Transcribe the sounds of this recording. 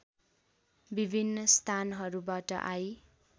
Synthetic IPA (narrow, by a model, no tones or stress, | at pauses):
bibʱinːʌst̪ʰanɦʌɾubaʈʌ̰ʔaj